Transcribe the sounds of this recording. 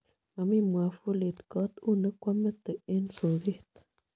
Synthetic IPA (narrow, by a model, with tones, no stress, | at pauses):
a˨mi˦˨mwa˨fu˦le˨tkɔ˦tu˦˨nə˦kʷwa˦mə˦tə˨e˦nso˨ɣe˦˨t